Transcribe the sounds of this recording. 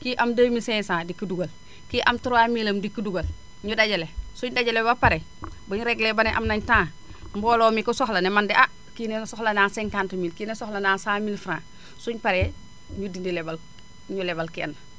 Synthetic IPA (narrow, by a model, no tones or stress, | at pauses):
kiʔamdəːmisɛːsaːdikuduɡɐl | kiʔamtuɾwamiːlɐmdikuduɡɐl | ɲudaɟɐlesuɲdaɟɐlebapaɾɛ | bɐɲɾɛɡlɛbanɛʔa̰mnɐɲtãː | mbɔːlɔːmikusɔxlɐnɛmandiʔa | kinesɔhlɐnaːsɛŋkantumiːlkiːnesɔhlɐnaːsaːmilfɾãː | suɲpaɾɛ | ɲudindilɛbal | ɲulɛbalkiɐnːɐ